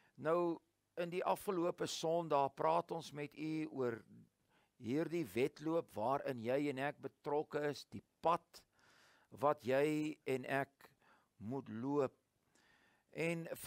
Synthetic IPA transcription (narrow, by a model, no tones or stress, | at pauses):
nəw | əndiʔɐfχəluəpəsɔndɑːprɑːtɔnsmɛtyuər | ɦiːrdivɛtluəpvɑːɾənjɛjɛnæk̚bətrɔkəəsdipɐt | vɐtjɛjɛnɛk | mutluəp̚ | ʔɛn